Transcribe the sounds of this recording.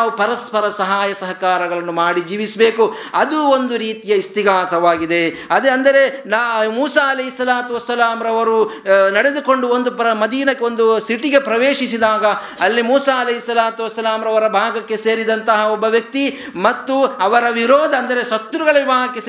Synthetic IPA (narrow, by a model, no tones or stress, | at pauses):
ʋupɐɾɐspɐɾɐsɐɦaːjɐsɐɦɐkaːɾɐɡɐɭɐnːumaːɽid͡ʒiːʋisɐbe̞ːku | ɐd̪uond̪uɾiːt̪ijɐist̪iɡaːt̪ʰɐʋaːɡid̪e̞ɐd̪eɐnd̪ɐɾe̞nːmuːsaːɐlɐɦisːɐlaːt̪uʋɐsːɐlaːmɾɐʋɐɾunɐɽed̪uko̞ɳɖuond̪upɾɐmɐd̪iːnɐkːeond̪usiʈiɡe̞pɾɐʋeːʂisid̪aːɡɐ | ɐlːimuːsaːɐlɐɦisːɐlaːt̪uʋɐsːɐlaːmɾɐʋɐɾɐbʱaːɡɐkːe̞se̞ːɾid̪ɐnt̪ɐɦɐɔbːɐʋjɐk̚t̪i | mɐt̪ːuɐʋɐɾɐʋiɾoːd̪ʱɐnd̪ɐɾesɐt̪ːɾuɡɐɭɐʋibʱaːɡɐkːe